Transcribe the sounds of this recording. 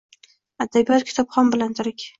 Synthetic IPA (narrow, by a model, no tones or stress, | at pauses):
ad̪abijɒt̪̚kʲʰɪ̥t̪ʰɒpχɒmbɪlant̪ʰʊɾɪkʲ